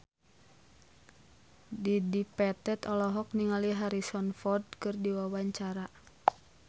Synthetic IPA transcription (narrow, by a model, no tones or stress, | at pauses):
didipɛt̪ɛt̪ɔlɔɦɔk̚niŋaliɦaɾisɔnfɔrd̚kɨrdiwawaɲt͡ʃaɾa